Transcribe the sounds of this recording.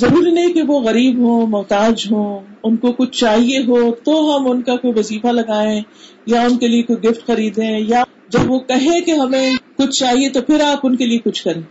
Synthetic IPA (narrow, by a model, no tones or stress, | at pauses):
zɐɾuːɾinɐɦĩkeʋoɣɐɾiːbɦõːmʊɦt̪aːd͡ʒɦõːʊnkokʊt͡ʃʰt͡ʃaːɦieɦot̪oɦɐmʊnkakoiʋɐziːfalɐɡaːẽ | jaʊnkeliekoiɡɪfʈxɐɾiːd̪ʱẽːja | d͡ʒɐbʋokɐɦẽkeɦɐmẽkʊt͡ʃʰt͡ʃaːɦiet̪opʰɪɾaːpʊnkeliekʊt͡ʃʰkɐɾẽː